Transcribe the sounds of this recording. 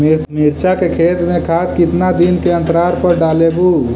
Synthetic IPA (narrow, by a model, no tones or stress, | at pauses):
miɾt͡ʃakekʰet̪mẽkʰad̪kit̪nad̪inkeə̃nt̪əɾaɾpəɾɖalebu